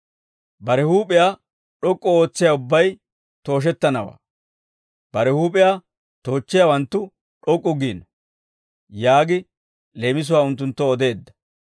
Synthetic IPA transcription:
bɐɾɛhuːpʼɪja | ᶑɔkʼːɔo̞ːt͡sːɪjaʊbːɐj | t̪o̞ːʃ̬ɛt̪ːɐnɐwa̰ː | b̥ɐɾɛhuːpʼɪjaː | t̪o̞ːt͡ʃːɪjawɐnt̪ːʊ | ᶑɔkʼːʊɡiːnɔ | jaːɡɪ | le̞ːmɪs̬ʊwaːʊnt̪ːʊnt̪ːɔːd̪e̞ːd̪ːɐ̥

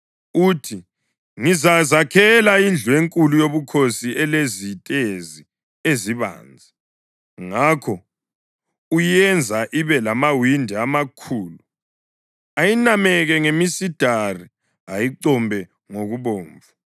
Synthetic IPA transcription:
utʰi | ŋizazakʰɛlaind͡ɮʱuweŋkʼulujoβukʰosiʔɛlezitʼezi | eziβa̰ːnd͡zʱa | ŋakʰɔ | ujɛnd͡zʱaʔiβɛlamawindʱiamakʰuːlu | ajinamɛɣɛŋemisid̥ʱari | ajiǀɔmbʱɛ | ŋoɣuβoːɱvu

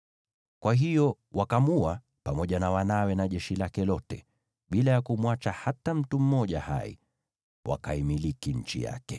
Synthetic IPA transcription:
kwaɦijɔ | wakamua | pamɔʄanawanawɛnaʄɛʃilakɛlɔtɛ | ɓilajakumwat͡ʃahatam̩tum̩mɔʄaha̰ḭ | wʔa̰kaimilikiɲ̩t͡ʃḭja̰kɛ

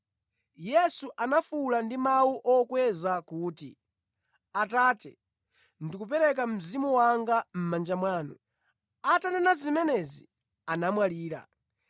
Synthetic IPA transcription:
jɛsuʔanafulandimawuʔɔkwɛzakuːtḭ | ataːtɛ̰ | ndikupɛɾɛk̬am̩zimuwaŋɡam̩mand͡ʒamwaːnɔ̰ | atanɛnazimɛnɛzḭ | anamwaliːɾa̰

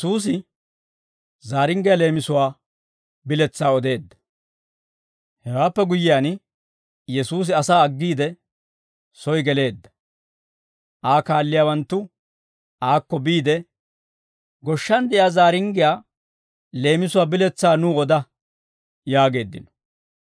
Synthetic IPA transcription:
jɛsuːs̬ɪ | zaːɾɪŋɡɪjaːle̞ːmɪsʊwaː | bɪlɛt͡sːaːɔd̪e̞ːd̪ːɐ̥ | hɛwaːpːɛɡʊjɪjaːn | jɛsuːs̬ɪɐsaːɐɡːiːd̪ɛ | sɔjɡɛle̞ːd̪ːɐ̥ | ʔaːkaːlːɪjaːwɐnt̪ːʊ | ʔaːkːɔbiːd̪ɛ | ɡɔʃːɐnd̪ɛjaːzaːɾɪŋɡɪjaː | le̞ːmɪsʊwaːbɪlɛt͡sːaːnuːɔd̪ɐ | jaːɡe̞ːd̪ːɪ̰nɔ̥

